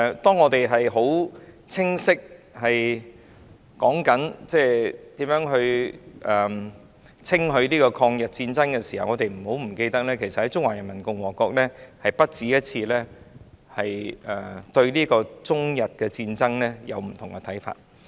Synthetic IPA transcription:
t̪ɔː˥ŋɔː˨˧t̪e˨jɦɐ˨jɦo˨˥w | t͡sʰɪ˥ŋsɪ˥k̚hɐ˨j | kɔː˨˥ŋkɐ˨˥nt͡sɛː˥˩t̪iː˨˥mjœː˨˥ŋɦɵ˧ɥʔɛː˨˩ | t͡sʰɪ˥ŋɦɵ˧ɥliː˥kɔː˧kʰɔː˧ŋjɐ˨t̚t͡siː˧nt͡sɐ˥ŋkɛ˧siː˨˩hɐ˨wŋɔː˨˧t̪e˨jm̩˨˩ho˨˥wm̩˨˩ke˧jt̪ɐ˥k̚lɛː˥kʰe˨˩jsɐ˨thɐ˨˦jt͡ʃʊ˥ŋwaː˨˩jɐ˨˩nmɐ˨˩nkʊ˧ŋwɔː˨˩kɔː˧k̚lɛː˥hɐ˨jpɐ˥t̚t͡siː˨˥jɐ˥t̚t͡sʰiː˧lɛː˥ | hɐ˨jɛː˨˩t̪ɵ˧ɥliː˥kɔː˧t͡sʊ˥ŋjɐ˨t̚kɛː˧t͡siː˧nt͡sɐ˥ŋlɛː˥jɐ̰˨˧wm̩˨˩t̪ʰʊ˨˩ŋkɛ˧t̪ʰɐ˨˥jfa̰ː˧t̚

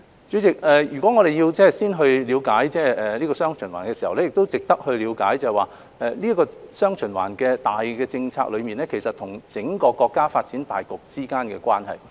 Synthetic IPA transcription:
t͡ʃy˨˥t͡sɪ˨k̚ɛː˨jyː˨˩kʷɔː˨˥ŋɔ˨˧ɾe˨˩jiː˧wt͡sɛː˥˨siː˥nɦɵ˧ɥliː˨˧wkaː˨˥jt͡sɛː˥ɛː˨˩liː˥kɔː˧sœː˥ŋt͡ʃʰɵ˨˩nwa̰ː˨˩nkɛ˧siː˨˩hɐ˨wlɛ˥jɪ˨k̚t̪o˥wt͡sɪ˨k̚t̪ɐ˥k̚hɵ˧ɥliː˨˧wkaː˨˥jt͡sɐ˨hɛ˨˩waː˨˩ | ʔɛː˨li˥ɐ˥kɔː˧sœː˥ŋt͡ʃʰɵ˨˩nwa̰ː˨˩nkɛ˧t̪aː˨jkɛː˧t͡sɪ˧ŋt͡sʰa̰ː˧k̚lɵ˨˧miː˨˩nlɛ˥kʰe˨˩jsɐ˨t̪ʰʊ˨˩ŋt͡sɪ˨˥ŋkɔː˧kɔː˧kːaː˥faː˧t̚t͡siː˨˥nt̪a̰ː˨˩jkʊ˨k̚t͡siː˥kaː˥nkɛ̰ː˧kwʷaː˥nhɐ̰˨j

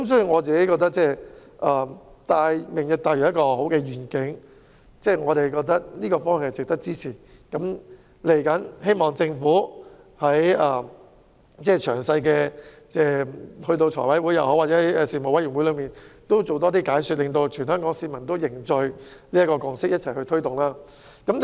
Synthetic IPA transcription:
kɐ˨˦msɔː˨˥ji˨ŋɔː˨˧t͡siː˨ke˨˥jkɔː˧k̚t̪ɐ˥k̚t͡sɛː˥ʔɐː˨˩t̪aː˨˧jmɪ˨˩ŋji˨˧k̚t̪aː˧˩jy˨˩jɐ˥kɔː˧ho˨˥wkɛː˧jyː˨˩nkɪ˨˥ŋ | t͡sɛː˥˩ŋɔː˨˧ɾe˨jkɔː˧k̚t̪ɐ˥k̚liː˥kɔː˧fɔː˥ŋhŋhɐ˨˩t͡sɪ˨k̚t̪ɐ˥k̚t͡siː˥t͡sʰiː˨˩kɐ˨˥m | le˨˩jkɐ˨˥nhe˥jmɔː˨ŋt͡sɪ˧ŋfuː˨˥ | hɐ˨˥jɐː˨˧ | t͡sɛː˥˩t͡ʃʰœː˨˩ŋsɐ˧jkɛː˧ | t͡sɛː˥˧hɵ˧ɥt̪̬o˧wt͡ʃʰɔ̰ː˨˩jwɐ˨˥jwuː˨˥jɐ˨whɔ˨˥waː˨tt͡sɛ˨˥ɐ˨˥jɛ˧siː˨˩mo˨˩wɐ˨˥jyː˨˩ŋwu˨˥lɵ˨˧ɥmiː˨˩nt̪o˥wt͡so˨˩wt̪ɔː˥t̪iː˥kaː˨˥jsy˨˧t̚lɪ˨˧ŋt̪o˧wt͡ʃʰyː˨˩nhœː˥ŋkɔː˨˥ŋsiː˧mɐ˨˩nt̪o˥wjɪ˨˩ŋt͡sɵ˧ɥliː˥jɐ˥kɔː˧kʊ˧ŋsɪ˥k̚jɐ˥t̚t͡sʰɐ˨˩jhɵ˧ɥt̪ʰɵ˥ɥt̪ʊ˨˩ŋlaː˥ | kɐ˨˥m

